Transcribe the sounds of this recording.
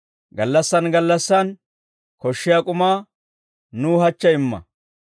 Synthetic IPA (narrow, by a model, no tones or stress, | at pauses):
ɡɐlːɐsːɐnɡɐlːɐsːɐn | kɔʃːɪjakʼʊmaː | nuːhɐt͡ʃːɐɪmːɐ̰